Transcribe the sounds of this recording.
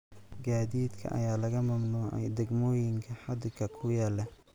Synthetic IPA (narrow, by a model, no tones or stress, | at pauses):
ɡaːðiːd̪kʰɐ̰ʔɐ̰jaːlɐɣɐmɐmnuːʕɛ̰jd̪ɐɡmɔːjɪŋkʰɐħɑd̪ɪkʰɐkʰʊjaːlɛ